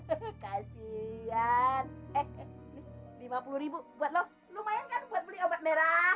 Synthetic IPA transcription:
kasianɛnilimapuluɾibubuat̪̚lɔh | lumajankanbuat̪̚bəliabat̪̚meɾa

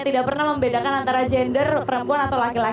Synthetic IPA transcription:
t̪idaʔpərnahməmbedakanant̪aɾad͡ʒɛndərpəɾəmpuanat̪awlakila

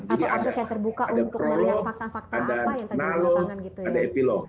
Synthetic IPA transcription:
d͡ʒadiadat̪ərbukaadapɾoloadanalɔadaepilɔ

